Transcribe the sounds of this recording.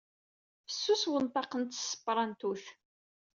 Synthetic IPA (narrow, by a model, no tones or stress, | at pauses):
əsːuswənt̪ˤɑqənt̪sːə̥pːɾˤɑnt̪uθ